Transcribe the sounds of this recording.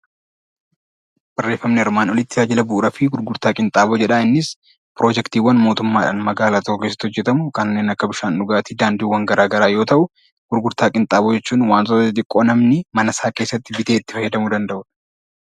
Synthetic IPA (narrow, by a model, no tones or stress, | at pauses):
b̥ɐrːe̞ːfːɐmnɛɪɾmaːnɔlɪt̪ːɪjaːd͡ʒɪlɐbʊʔːɾɐfɪɡʊɾɡʊɾt̪aːkʼɪnt̪ʼaːbod͡ʒɛᶑaɪnːɪs | pɾo̞ːd͡ʒɛkt̪iːwɐnmo̞ːt̪ʊmːaːᶑa̰ːnmɐɡaːlaːt̪ɔkːɔkesːɐ̥t̪ːhɔd͡ʒːɛt̪ɐmʊkɐnnːeːnɐkːɐbɪʃaːnᶑʊɡaːt̪iːd̪aːnd̪uːwːɐŋɡɐɾaːɡɐɾaːjo̞ːt̪ɐʔʊ | ɡ̥ʊɾɡʊɾt̪aːkʼɪnt̪ʼaːbod͡ʒɛt͡ʃːuːnwaːnsɔsɪt̪ɪkʼːoːnɐmnɪmɐnɐsaːke̞ːsːɐt̪ːɪbɪt̪eːɪt̪ːɪ̥fɐjːɐd̪ɐmʊd̪ɐnd̪ɐʔʊᶑɐ̥